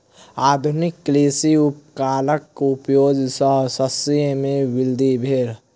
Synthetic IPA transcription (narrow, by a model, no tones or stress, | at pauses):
aːd̪ʱʊnɪkːleːsiʊpkaːləkʊpjoːd͡ʒʱsəɦsəsimẽwɪld̪ʱibʱeːɾ